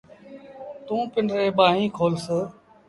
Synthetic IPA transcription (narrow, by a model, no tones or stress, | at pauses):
t̪ũːpɪnɾeːɓaːɦĩːkʰoːlsə